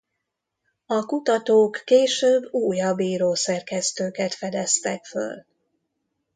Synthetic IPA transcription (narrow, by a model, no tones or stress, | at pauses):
ɒkut̪ɒt̪oːkːeːʃøːbːuːjɒbːiːɾoːsɛrkɛst̪øːkɛt̪fɛd̪ɛst̪ɛkfø̰l